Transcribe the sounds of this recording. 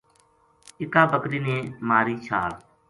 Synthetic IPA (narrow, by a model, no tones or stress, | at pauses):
ɪkaːbəkɾiːnẽːmaːɾiːt͡ʃʰaːɾ